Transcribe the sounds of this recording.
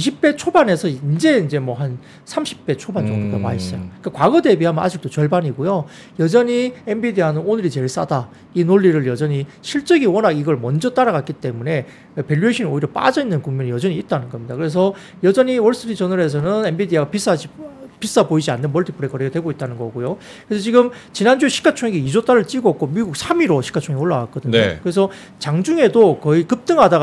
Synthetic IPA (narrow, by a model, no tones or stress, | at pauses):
iɕ̬ʰip̚p͈e̞t͡ɕʰobane̞sʰʌind͡ʑe̞ind͡ʑe̞mwʌɦan | sʰamɕʰi̥p̚p͈e̞t͡ɕʰoband͡ʑʌŋɡodamais͈ʌjoik͈akwaɡʌde̞biɦamʌnʔa̰d͡ʑik̚t͈ot͡ɕʌɭbaɲiɡojo | jʌd͡ʑʌɲiembidianɯnonɯɾit͡ɕe̞ɭs͈a̰da | inoɭːiɾɯɭjʌd͡ʑʌɲiɕʰiɭt͡ɕ͈ʌɡiwʌnaɡiɡʌɭmʌnd͡ʑʌt͈aɾaɡak͈it͈e̞mune̞ | pe̞ʎːueɕʰinoiɾjʌp͈a̰d͡ʑʌinːɯnkuŋmjʌɲijʌd͡ʑʌɲiːt̚t͈anɯnɡʌmɲidakɯɾe̞s̬ʰʌ | jʌd͡ʑʌɲiwʌɭs͈ɯɾit͡ɕʌnɯɾe̞s̬ʰʌnɯne̞nbidiaɡapis͈ad͡ʑipis͈apoid͡ʑianːɯnmʌɭtʰi̥pʰɯɾekʌɾeɡetwe̞ɡoit̚t͈anɯnɡʌɡojo | kɯɾesʰʌt͡ɕiɡɯmt͡ɕinand͡ʑuɕʰi̥ɡat͡ɕʰoŋeɡeid͡ʑot͈aɾɯɭt͡ɕ͈iɡok͈omiɡuk̚sʰamiɾoɕʰi̥ɡat͡ɕʰoŋeoɭːaɡak͈ʌdɯnɲokɯɾe̞sʰʌ | t͡ɕaŋd͡ʑuŋe̞dokʌikɯp̚t͈ɯŋɦada